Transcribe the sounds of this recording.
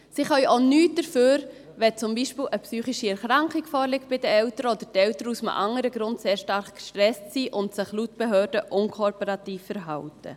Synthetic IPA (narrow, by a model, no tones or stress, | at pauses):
siχœʏonyːt̚d̥əɾføːɾ | ʋɛt͡sʊmbiʃpɪːlʔəpsyːχiʃiɛɾχɾɑŋkχikfɔːɾlɪk̚t̚b̥ɪdəɛwtəɾəɔd̥̪ətɛwtəɾəusmʔɑ̰ŋəɾəɡɾʊntseːɾʃtɑɾχɡ̥ʃtɾɛstsiːʔʊntsɪχlutb̥ɛɦœːɾdəʔʊŋkʰopoɾɑt̪iːfːɛɾɦɑwtə̰